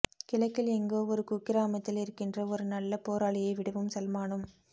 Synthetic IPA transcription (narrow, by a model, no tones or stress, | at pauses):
kɪlɐɪkːɪlɛŋɡoːɔɾɯkuːkːɪɾaːmɐt̪ːɪlɪɾɯkːɪndrɐɔɾɯnɐlːɐpoːɾaːɭɪjɐɪʋɪɽɯʋɯmsɛlmaːɳɯm